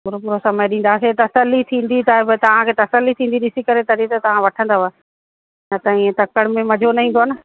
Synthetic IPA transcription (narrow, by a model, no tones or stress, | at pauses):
pʊɾopʊɾosɐməjɗĩn̆d̪aset̪ɐsəlːit̪ʰĩːn̆d̪it̪aɦbt̪ɐʋ̤ãkʰeːt̪ɐsəlːit̪ʰĩːnd̪iɗɪsikɐɾet̪ɐɾit̪ɐt̪ɐʋ̤ãʋɐʈʰə̃nd̪aʋɐ | nɐt̪ɐĩːẽt̪ɐkəɽ̃mẽmɐd͡ʑʱonɐɦĩ̆ːd̪oɦɐnɪ̆